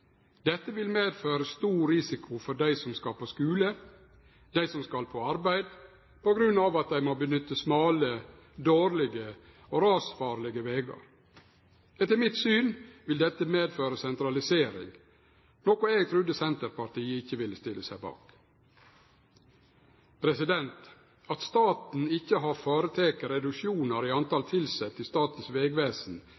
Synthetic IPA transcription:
d̪̥ɛt̪ːəʋɪlmeːd̪føːɾəst̪uːɾɪsɪkʰʊfɔɖæɪsɔmskɑpʰoːskʉːlə | d̪æɪsɔmskɑlpʰoɑɾbæɪd̪ | pɔɡɾʉnːɑʋɑt̪̚d̪æɪmoːbənʏt̪ːəsmɑːlə | d̪oːɾlɪɡə | oːɾɑːsfɑːɾlɪɡəʋeːɡɑ̰ɾ | ɛt̪ːəɾmɪt̪syːnʋɪld̪ɛt̪ːəmeːd̪føːɾəsɛnt̪ɾɑlɪseːɾɪ̰ŋ | nɔkʊeːɡt̪ʰɾʉd̪əsɛnt̪əɾpɑɾt̪iːəɪçːəʋɪlːəst̪ɪləsæɪbɑ̰ːk | pʰɾɛsɪd̪ɛnt̪ | ɑt̪st̪ɑːt̪n̩ɪçːəɦɑɾfɑːɾət̪ʰeːkəɾɛd̪ʉkʃjuːnəɾiːɑnt̪ɑlt̪ʰɪlsɛt̪ːɪst̪ɑːt̪n̩sʋeːɡʋeːsn̩

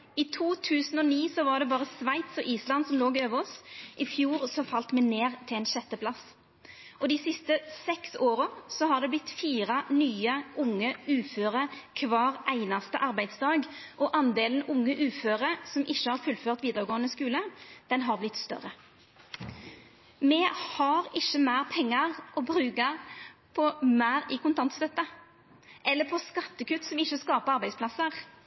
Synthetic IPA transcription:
it̪ʰuːt̪ʰʉːsn̩ɔniːsɔʋɑʁɖ̪ɛbɑːʁəsʋæɪt̪sɔʔiːslɑnsɔmloːɡøːʋəɔsʔɪfjuːʁsɔfɑlt̪mɛneːʁt̪ʰɪlɛːnʃɛt̪ːəpʰlɑs | ʔɔd̪iːsɪst̪əsɛksoːʁəsɔɦɑʁd̪ɛblɪt̪ːfiːʁɑnyːəʔʊŋːəʉːføːʁəkʰʋɑːʁʔæɪnɑst̪ə̰ʔɑʁbæɪd̪sd̪ɑːɡʔɔʔɑnd̪eːln̩ʊŋːəʔʉːføːɾəsɔmʔɪçːəhɑɾfʉlføːʁt̪ʋiːd̪əʁəɡoːənəskʉːləd̪̥ɛnɦɑʁblɪt̪st̪œ̰ɾə | mɛhɑɾɪçːəmæɪʁpʰɛŋːɑʁʔɔbɾʉːkɑpʰɔmæːɾɪkʊnt̪ʰɑnt̪sœt̪ːə | ʔɛlːəpʰɔskɑt̪ːəkʉt̪ːsɔmɪçːəskɑːpəʁɑɾbæɪspʰlɑsəʁ

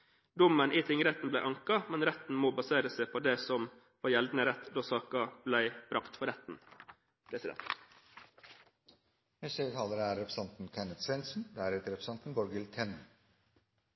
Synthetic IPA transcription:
d̪ʊmənʔiːt̪ʰɪŋəɾɛt̪n̩blæɪʔɑŋkɑmɛnɾɛt̪n̩moːbɑseːɾəsæɪpʰoːd̪ɛsɔm | fɔːjɛld̪n̩əɾɛt̪ːd̪oːsɑːkɑb̥læɪb̥ɾɑkt̪fɔɾɛt̪n̩ | pʰɾɛsɪd̪ɛ̰nt̪ | ɛsət̪ʰɑːləɾæɾːɛpʰɾsɑnt̪n̩kʰænət̪sʋɛnsn̩d̪æɾɛːt̪əɾɛpɾəsɑnt̪n̩bɔɾɡɪlt̪ʰɛn

